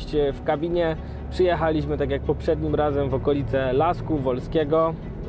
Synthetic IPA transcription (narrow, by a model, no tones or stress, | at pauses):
t͡ɕfkabʲiɲɛ | pʂɘjɛxalʲiɕmɘt̪akʲjak̚pɔpʂɛd̪ɲimɾazɛmvɔkɔlʲit̪sɛlaskuvɔlskʲɛɡɔ